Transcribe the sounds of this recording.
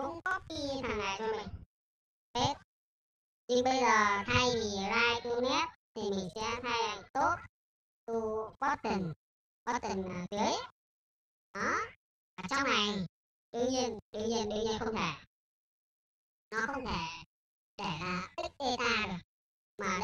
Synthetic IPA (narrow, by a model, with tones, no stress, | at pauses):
ʊ̰˧˥ŋ͡mkɔ˦˥t̚ki˧t̪ʰaː˨˩ŋla̰ː˨˩jt͡ɕɔ˧mi˨˩ŋ̟ | pe˦˥t̚ | ɲɨ˧ŋɓə˧jzəː˨˩t̪ʰa˧jvi˨˩zaː˧jt̪u˧nɛ˦˥t̚t̪ʰi˨˩mi˨˩ŋ̟sɛ̰˧˥t̪ʰa˧jla˨˩t̪o˦˥t̚ | t̪u˧vɔ˦˥t̚t̪i˨˩ŋ | vɔ˦˥p̚t̪i˨˩ŋ̟a˨˩zɨ˨˦əj | ɗɔ˨˦ | əː˨˩t͡ɕɔ˧wŋ͡mna˨˩j | ɗu˧ɲi˧nɗu˧ɲi˧nɗɲə˧xə˧wŋ͡mt̪ʰe˧˩ | nɔ˨˦xə˧wŋ͡mt̪ʰe˧˩ | ɗe˧˩laː˨˩t̪i˦˥k̚ɗe˧t̪aː˧ɨ˨˩ | maː˨˩